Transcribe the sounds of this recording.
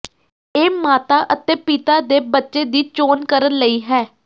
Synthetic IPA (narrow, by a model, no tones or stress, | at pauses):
eːmaːt̪aːʔət̪eːpɪt̪aːd̪eːbətːʃeːd̪iːt͡ʃoːnkəɾənləiːɦɛː